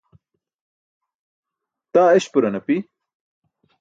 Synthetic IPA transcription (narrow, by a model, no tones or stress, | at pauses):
t̪aːeɕpuɾɐnɐpi